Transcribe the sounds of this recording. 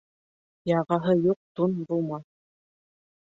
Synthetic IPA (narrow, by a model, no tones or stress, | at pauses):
jɑʁɑɦɤjuq̚t̪unbulˠmɑ